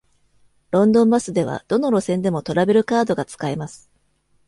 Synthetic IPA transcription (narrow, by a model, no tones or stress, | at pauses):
ɾõ̞nd̪õ̞mbasɨd̪e̞βa̰d̪̥o̞no̞ɾo̞sẽ̞nd̪e̞mo̞t̪o̞ɾabe̞ɾɯ̟kaːd̪o̞ɡat͡sɨ̥kaimasɨ̥